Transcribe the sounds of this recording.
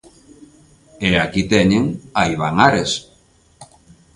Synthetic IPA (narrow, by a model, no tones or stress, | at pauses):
eakit̪eɲeŋaiβaŋaɾes